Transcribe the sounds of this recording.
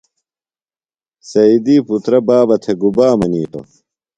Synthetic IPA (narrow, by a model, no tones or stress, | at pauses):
sɐid̪iːput̪ɾɐbaːbɐt̪ʰeɡubaːmɐniːʈo̰